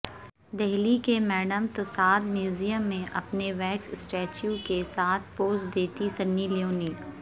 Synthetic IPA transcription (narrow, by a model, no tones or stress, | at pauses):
d̪ɛɦlikemɛːɖəmt̪osaːd̪mjuːzijəmːẽʔɐ̰pneʋɛːkssʈɛːt͡ʃjukesaːt̪̚ʰpoːsʈd̪eːt̪isɐnːiljoːniː